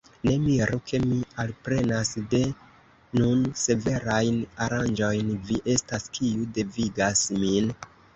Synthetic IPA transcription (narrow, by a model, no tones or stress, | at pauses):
ne̞miɾukʰe̞mialpɾe̞nasde̞ | nunse̞ve̞ɾajnaɾand͡ʒo̞jnviʔe̞staskʰiude̞viɡasmin